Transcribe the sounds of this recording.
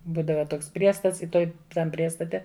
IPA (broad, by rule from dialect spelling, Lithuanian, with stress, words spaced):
ˈbuːdɐʋɐ ˈtoːks ˈpʲrʲiɛstɐts ɪ ˈtoːj ˈtɐm ˈpʲrʲiɛstɐtʲɛ